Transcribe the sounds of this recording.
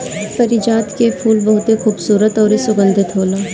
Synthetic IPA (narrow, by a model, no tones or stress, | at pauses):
fɐɾɪd͡ʒaːt̪kepʰuːlbɐɦʊt̪exuːbsuːɾət̪ɔːɾesʊɡə̃nd̪ʱɪt̪ɦoːlaː